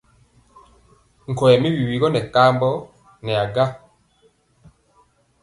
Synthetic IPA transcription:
ŋ̩˨kɔ˨ɛ˨mi˦wi˨wi˨ɣɔ˦nɛ˨ka˦mbɔ˦ | nɛ˨a˨ɡa˦

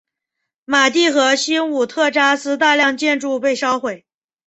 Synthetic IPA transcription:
ma˨˩t̪i˥˩xɤ˧˥ɕi˥nu˨˩t̪ʰɤ˥˧ʈ͡ʂa˥sɹ̩˥t̪̬a˥˧ljɑ˥˧ŋt͡ɕjɛ˥˧nʈ͡ʂu˥˧pe˥˩ɪʂɑ˥ʊxwe˨˩ɪ

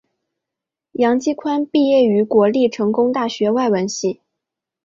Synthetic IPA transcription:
jɑ˧˥ŋt͡ɕi˥˧kʰwa˥npi˥˧jɛ˥˩y˧˥kwɔ˧˥li˥˩ʈ͡ʂʰɤ˧˥ŋkʊ˥ŋt̪a˥˩ɕɥɛ˧˥wa˥˩ɪwə˧˥nɕi˥˩

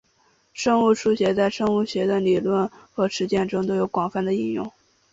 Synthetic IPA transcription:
ʂɤ˥ŋu˥˩ʂʰu˥˩ɕɥɛ˧˥t͡sa˥˧ɪʂɤ˥˧ŋu˥˩ɕɥɛ˧˥d̪ə˧li˨˩lwə˥˩nxɤ˧˥ʂɻ̩˧˥t͡ɕjɛ˥˩nʈ͡ʂʊ˥ŋt̪o˥ʊjo˨˧˥ʊkwɑ˨˩ŋfa˥˩nd̪ə˩i˥˧njʊ̰˥˩ŋ

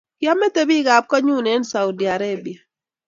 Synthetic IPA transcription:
kja˦mɛ˦te˦bi˦ɡa˨p̚kɔ˦ɲu˦˨ne˦nsa˨wdi˨a˨ɾe˦˨bi˨a˨

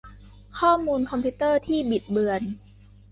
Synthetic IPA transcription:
kʰɔː˥˩muː˧nkʰɔ˧mpʰiː˦˥t̪ɤː˥˩t̪ʰiː˥˩bi˨˩t̪̚bɯ˧ən

